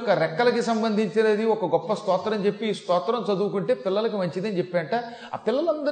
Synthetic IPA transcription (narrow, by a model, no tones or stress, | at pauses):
kɐɾɛkːɐlɐkisɐmbɐnd̪ʱiɲt͡ʃiɐd̪iɔkɐɡɔpːɐst̪ɔːt̪ɾɐɲt͡ʃe̞pːiːst̪ɔːt̪ɾɐmt͡ʃɐd̪uwukuɳʈe̞ːpilːɐlɐk̬imɐɲt͡ʃid̪eːnt͡ʃepːeːɳʈaː | a̰ːpilːɐlɐnd̪ɐ